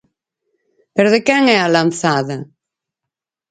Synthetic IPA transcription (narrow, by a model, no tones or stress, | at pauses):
peɾoðekɛŋɛalan̟θaðɐ